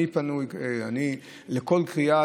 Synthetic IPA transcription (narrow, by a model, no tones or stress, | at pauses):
ipɐnujeani | leko̞lkʁia